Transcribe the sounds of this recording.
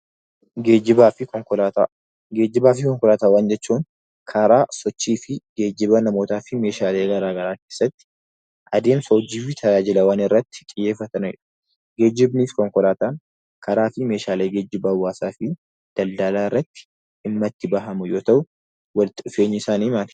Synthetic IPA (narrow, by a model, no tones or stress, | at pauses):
ɡeːd͡ʒɪbaːfɪkɔŋkɔlat̪a | ɡeːd͡ʒɪbaːfɪkɔŋkɔlaːt̪aːwaːnd͡ʒɛt͡ʃːuːŋ | kʰɐɾaːsɔt͡ʃːiːfɪɡe̞ːd͡ʒɪbɐnɐmo̞ːt̪aːfɪme̞ːʃaːle̞ːɡɐɾaːɡɐɾaːke̞ːsːɐt̪ːɪ̥ | ʔɐd̪e̞ːmsɐwɔd͡ʒiːfɪt̪ʰɐjaːd͡ʒɪlɐwaːnɪrːɐt̪ːɪ̥kʼɪjːe̞ːfːɐt̪ɐnɐjɛᶑɐ̥ | ɡe̞ːd͡ʒɪbniːskɔŋkɔlaːt̪aːn | kʰɐɾaːfɪme̞ːʃaːleːɡe̞ːd͡ʒɪbɐːwːaːsaːfɪ | d̪̥ɐld̪alaːɪrːɐt̪ːɪ̥ | ɪmːɐt̪ːɪbɐɦɐmʊjo̞ːt̪ɐʔʊ | wɐlt̪ɪʊfe̞ːɲːɐɪsaːniːmaːt̪ɪ̥